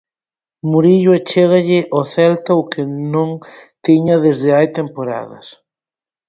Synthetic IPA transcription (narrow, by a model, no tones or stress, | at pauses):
muɾiʎʊet͡ʃeɣ̞aʎɪʔoθɛlt̪aʊkɪnõŋt̪iɲɐðezðɪajt̪empoɾa̰ðɐs